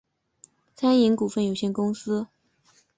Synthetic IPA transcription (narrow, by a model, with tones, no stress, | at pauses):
t͡sʰa˥ni˧˥ŋku˨˩fə˥˩njo˨˩ʊɕjɛ˥˧nkʊ˥ŋsɹ̩˥